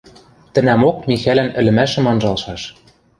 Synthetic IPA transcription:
t̪ɘ̆næmok̚mʲixælænɘ̆lɘ̆mæʃɘ̆mɑnʒɑlʃɑʃ

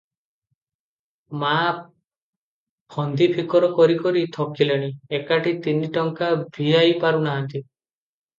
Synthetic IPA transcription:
ma | pʰɔnd̪ipʰikɔɾɔkɔɾikɔɾit̪ʰɔkilaɽ̃iekaʈʰit̪iniʈɔŋkabʱiajpaɾunaɦant̪i

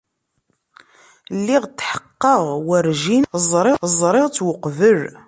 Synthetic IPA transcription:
lːiʁt̪ːħə̥qːəʁwəɾʒinzˤɾˤɪzˤɾˤɪʁt͡sːwəqːvəɾ

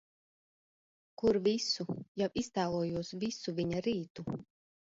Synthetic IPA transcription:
kuɾvʲisujawʔist̪æːlˠuɔjuɔsvʲisuvʲiɲaɾiːt̪u

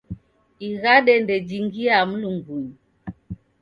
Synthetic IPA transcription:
iɣaɗɛndɛd͡ʒiŋɡiaməluŋɡun

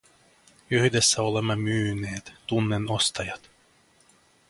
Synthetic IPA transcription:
yhdesːæolemːɑmyːneːt̪ːunːenost̪ɑjɑt̪

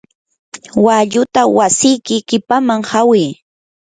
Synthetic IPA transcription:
waʎʊt̪awasɪjkɪkɪpamaŋhawɪj

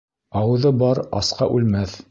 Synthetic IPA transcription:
ɑwɤ̆ðɤbɑɾɑ̰sqɑʔʉlmæθ

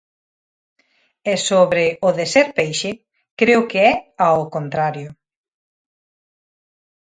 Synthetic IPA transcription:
ɛsoβɾɪʊðesɛɾpejʃɪ | kɾeʊkeɛaokont̪ɾaɾjʊ

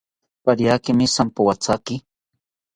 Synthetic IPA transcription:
paɾjakɪmɪsampawat͡sakɪ

